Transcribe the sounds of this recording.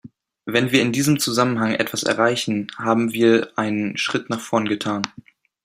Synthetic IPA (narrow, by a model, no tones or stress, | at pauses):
vɛnviːɐɪndiːzəmt͡suzamənɦaŋʔɛ̰tv̥asɛ̰ɐʁaɪçn̩haːbm̩viːɐʔaɪnənʃʁ̥ɪtnaːχfɔɐnɡətʰaːn